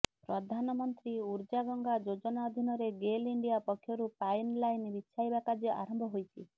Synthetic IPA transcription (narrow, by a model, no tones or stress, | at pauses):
pɾɔd̪ʱanɔmɔnt̪ɾiuɾd͡ʒaɡɔŋɡad͡ʒod͡ʒɔnaɔd̪ʱinɔɾeɡeliɳɖijapɔkʰjɔɾupajnlajnbit̪ːʃʰajbakad͡ʒɔʔa̰ɾɔmbʱɔɦojt͡ʃʰi